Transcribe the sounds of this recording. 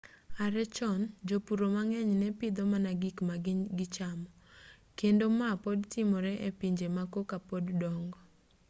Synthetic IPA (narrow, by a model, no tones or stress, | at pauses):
aɾɛt͡ʃɔnd͡ʒopuɾomaŋɛɲnɛpɪd̪ɔmanaɡikmaɡɡɪt͡ʃamɔ | kendomapodtɪmɔɾɛʔepiɲd͡ʒemakokapoddɔŋɡɔ